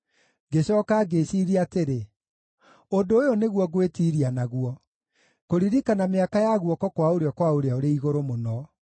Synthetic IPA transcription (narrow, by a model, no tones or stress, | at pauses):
ɡeɕɔkaɡeɕiɾiateɾe | ondoːjoneɣwɔɣwetiɾianaɣuɔ | koɾiɾikanameakajaɣuɔkɔkwaoɾeɔkwaoɾeaoɾeiɣoɾomonɔ